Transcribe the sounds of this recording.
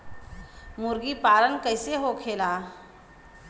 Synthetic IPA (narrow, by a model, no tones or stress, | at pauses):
mʊɾɡipaːɾənkəɪseɦokʰeːlaː